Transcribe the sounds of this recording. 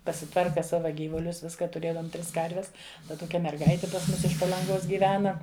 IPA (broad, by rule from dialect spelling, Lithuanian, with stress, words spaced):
pɐsʲɪˈtʋɐrkɐ ˈsɑːʋɐ ˈɡʲiːʋʊlʲʊs ˈʋʲɪskɐ tʊˈrʲeːdoːm ˈtʲrʲɪs ˈkɐrʲʋʲɛs ˈdɐ ˈtoːkʲɛ mʲɛrˈɡɐɪtʲɪ pɐs ˈmʊs ɪʃ pɐlˠɐŋˈɡoːs ɡʲiːˈʋʲæːnɐ